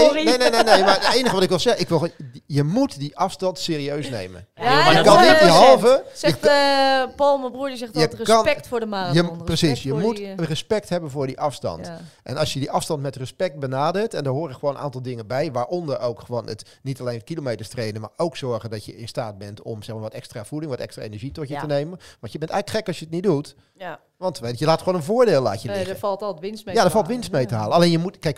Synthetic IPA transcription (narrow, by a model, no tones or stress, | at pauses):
nejnejnenejmadətejnəχəʋɑtɪkʋɪlˠzɛɪkʋɪlˠjəmutdiʔɑfstɑntseːriøɥsnḛjmə̰nəkɑnnitbəɦɑlˠvəsɛə | pɔlˠməbruːdəsɛjərəknpɛktfʊːdəmaːəprəsisjəmutrəspɛk̚thɛbənvʊːɹdiʔɑfstɑ̰ntʔɛ̰nɑlˠsjədiʔɑfstɑntmɛtrəspɛk̚t̚bənaːdəɹtɛndɔɦoːrɪkχʋoːnəna̰ːntɑlˠdɪŋənbɛjʋaːɹʔɔndəɹowkχəʋoːnət | nitalejnətkilomejtəɹstrejnənmaːɹowksɔɹɣəndɔtjəɪnstaːt̚bɛntɔ̰msɛxmaːɹʋɔtɛkstraːv̥udɪŋʋɔtɛ̰kstra̰ːḛnəɹʒitɔtjətənejmənʋɑntjəbɛntɛjɣləkχɛkɑsjəətnit̚dut | ʋɑntʋejəlaːtχʋoːnənvʊːɹdeːlˠla̰ːtjəfɑlˠtlˠtʋɪnsjadəɹfɑlˠtʋɪnstmejtəɦaːləɑlejnjəmutkɛjk